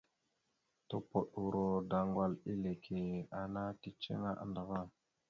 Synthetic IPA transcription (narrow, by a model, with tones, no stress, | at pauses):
to˦po˨ɗu˨ɾo˨da˨ŋɡwa˨li˦le˨kʰe˨a˨na˦ti˦t͡ʃḛ˦ŋa˦ʔa̰˨nda˨ɣa˦